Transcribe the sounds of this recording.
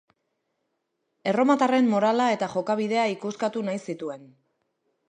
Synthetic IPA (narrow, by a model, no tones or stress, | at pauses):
e̞ro̞mat̪are̞mmo̞ɾalae̞t̪aʝo̞kaβ̞iðe̞aikuskat̪unajsit̪ue̞n